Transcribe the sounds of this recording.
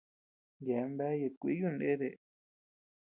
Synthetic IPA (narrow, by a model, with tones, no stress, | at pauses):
je˨˧˦mbe˦je˧kʷḭ˦ju˦˧nḛ̃˦ðe˨